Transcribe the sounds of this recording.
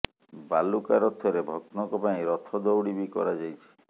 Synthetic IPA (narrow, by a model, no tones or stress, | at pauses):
balukaɾɔt̪ʰɔɾebʱɔk̚t̪nɔŋkɔpaĩɾɔt̪ʰɔd̪owɽibikɔ̰ɾad͡ʒajt͡ʃʰi̥